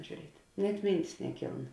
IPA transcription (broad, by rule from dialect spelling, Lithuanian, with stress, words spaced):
ʒʲuːˈrʲiɛtʲ nʲɛt ˈmʲiːnʲtʲɪs nʲɛˈkʲiːlˠn